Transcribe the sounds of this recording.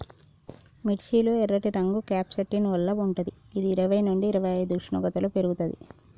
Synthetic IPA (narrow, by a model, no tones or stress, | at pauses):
miʈt͡ʃiːloːɛɾːɐʈiɾɐŋɡukaːpsɐʈːinʋɐlːɐuɳʈɐd̪iːd̪iːɾɐʋɐjnuɳɖiːɾɐʋɐjɐjd̪uʂɳṵɡɐt̪ɐlopeɾuɡut̪ɐd̪ḭ